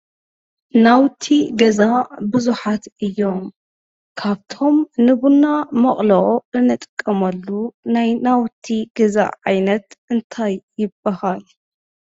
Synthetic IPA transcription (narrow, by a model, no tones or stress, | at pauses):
nawt̪ʰiɡɐzabɨzuħat̪ʔɨjːo̞m | kʰaβt̪ʰo̞mnɨβunamɐχʼlɐʔʼoʔɨnːɨt̪ʼɨkʼːɐmɐlːunajnawt̪ʰiɡɐza̰ʕajnɐt̪ʔɨnt̪ʰajːɪbahal